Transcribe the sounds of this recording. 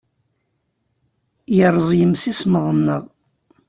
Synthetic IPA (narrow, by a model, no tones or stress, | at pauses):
jəɾˤəzˤjəmθisməðˤənːəʁˤ